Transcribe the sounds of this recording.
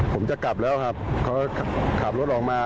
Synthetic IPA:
pʰo˩˦mt͡ɕa˨˩kla˨˩p̚lɛː˦˥wkʰa˦˥˩p̚kʰa˦˥˩kʰa˧˩kʰaː˨˩lu˥˩t̪̚ʔɔː˨˩k̚maː˧

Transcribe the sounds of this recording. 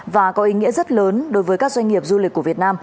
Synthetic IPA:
vaː˨˩kɔ˨˦ʔi˨˦ŋḭ˧˥əzə˦˥t̚ləː˨˦nɗo˨˦jvəː˨˦jkaː˦˥k̚zwa˧jŋ̟ŋi˨˩əp̚zu˧li˨k̚ːu˧˩əvət̚naː˧m

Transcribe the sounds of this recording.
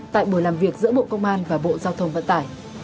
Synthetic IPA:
t̪a̰ː˧˨jɓu˧˩əjlaː˨˩mvi˨˩ək̚zɨ̰˧˥əɓo̰˧˨kə˧wŋ͡mʔaː˧nvaː˨˩ɓo̰˧˨zaː˧wt̪ʰə˧wŋ͡mvə̰˧˨nt̪aː˧˩j

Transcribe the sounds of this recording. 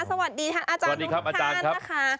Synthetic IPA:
sa˧wa˨˩t̪̚diː˧tʰaː˦˧ŋʔaː˧t͡ɕaː˧a˩diː˧ɾa˦˥p̚ʔaː˧at͡ɕaː˧n˥kʰa˦˥aː˦˥kʰa˦˥

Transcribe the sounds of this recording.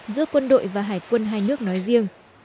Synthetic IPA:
zɨ̰˧˥əkwə˧nɗo̰˧˨jvaː˨˩ɦaː˧˩jkwə˧nɦaː˧jnɨ˦˥ək̚nɔ˨˦jzi˧əŋ

